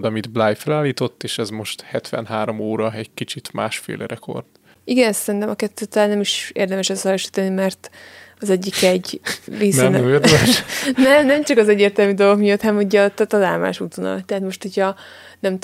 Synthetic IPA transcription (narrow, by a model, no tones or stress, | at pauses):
d̪ɒmid̪blaːjfɛlaːlːiːt̪o̞t̪ːeːʃɛzmo̞ʃt̪hɛt̪ʋɛ̰nɦaːɾomoːɾɒɛɟkit͡ʃit̪ma̰ːʃfḛːlɛɾɛko̞̰rd̪ | iɡɛnsɛɾint̪ɛmɒkɛt̪ːøːt̪ɒlaːnːɛmiʃḛːrd̪ɛmɛʃɛsɒjɒʃi̥ːt̪ɒnimɛrt̪ɒzɛɟːikɛɟreːsnerdʃnɛmnɛmt͡ʃɒkɒzɛɟːeːrt̪ɛlmyd̪oɡo̞kmijot̪hɒnɛmhoɟɒt̪ɛt̪ɒlaːlma̰ːʃut̪vono̰lt̪ɛɦaːt̪mo̞ʃt̪hocʰɒ | nɛmt̪